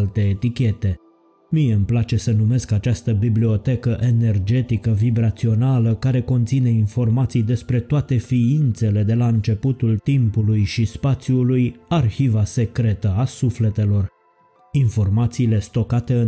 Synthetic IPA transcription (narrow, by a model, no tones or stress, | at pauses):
lt̪e̞ːt̪ikʲe̞t̪e̞ | mijeɨmplat͡ʃe̞sənume̞skat͡ʃast̪əbiblio̞t̪e̞kəʔe̞ne̞rd͡ʒe̞t̪ikəvibɾat̪sio̞naləkaɾe̞ko̞nt̪sine̞info̞rmat̪sijd̪e̞spɾe̞t̪oat̪e̞fiint̪se̞le̞d̪e̞laɨnt͡ʃe̞put̪ult̪impulujʃispat̪sjulujarxivase̞kɾe̞t̪əasufle̞t̪e̞lo̞r | info̞rmat̪siːle̞st̪o̞kat̪e̞ɨ